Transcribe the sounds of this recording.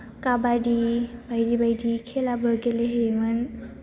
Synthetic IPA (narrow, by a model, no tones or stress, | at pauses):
kabadibajdibajdikʰelabəɡeleɦemɯn